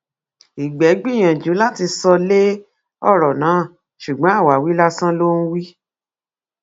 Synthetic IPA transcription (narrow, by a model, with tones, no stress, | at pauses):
i˨ɡ͡bɛ˨˦ɡ͡bĩ˦˨j̃ã˨d͡ʒu˨˦la˦ti˧sɔ˧le˦ | ɔ˦˨ɾɔ˨nãː˨˦˨ | ʃu˨ɡ͡bɔ̃˨˦a˦˨wa˨wi˨˦la˦sã˦lo˦ñ̩˦wi˦